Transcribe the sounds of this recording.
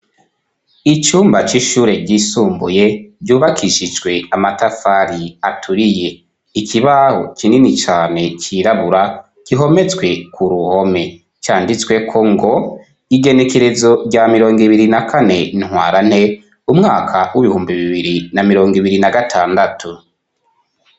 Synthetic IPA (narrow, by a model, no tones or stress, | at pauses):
it͡ʃuːmbat͡ʃiʃuːɾe̞ɟisuːmbuje̞ɟuːβakʰiʃid͡ʒɡwe̞amatafaɾiatʰuɾije̞ | ikʰiβaho̞̰kininit͡ʃaːne̞ciɾaβuɾa | kiɦo̞me̞t͡sɡwe̞kʰuɾuho̞me̞ | t͡ʃaːndit͡swe̞kʰo̞ŋɡo̞ | iɡe̞ne̞ke̞ɾe̞zo̞ɾɟamiɾo̞ːŋɡiβiɾinakʰane̞in̥hwaːɾan̥he̞ | umŋaːkʰawʔiβihuːmbiβiβiɾinamiɾo̞ːŋɡiβiɾinaɡatʰaːndatʰu